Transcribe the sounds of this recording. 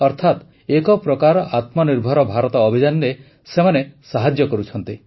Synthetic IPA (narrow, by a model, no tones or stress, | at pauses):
ɔɾt̪ʰat̪ | ekɔpɾɔkaɾɔʔat̪mɔniɾbʱɔɾɔbʱaɾɔt̪ɔːbʱid͡ʒanɾe | semanesaɦad͡ʒjɔkɔɾut͡ʃʰɔnt̪i